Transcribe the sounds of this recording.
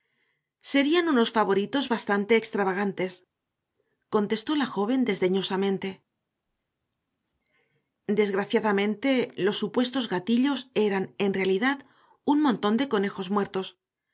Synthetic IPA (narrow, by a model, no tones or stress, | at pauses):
se̞ɾianuno̞sfaβo̞ɾit̪o̞zβast̪ant̪e̞ːkst̪ɾaβaɣ̞ant̪e̞s | ko̞nt̪e̞st̪o̞laxo̞β̞e̞nd̪e̞zðe̞ɲo̞samẽnt̪e̞ | d̪e̞zɣɾaθjaðamẽ̞nt̪e̞lo̞sːupwe̞st̪o̞zɣat̪iʎo̞se̞ɾane̞nrealiðað | unmõ̞nt̪o̞nd̪e̞ko̞ne̞xo̞zmwe̞ɾt̪o̞s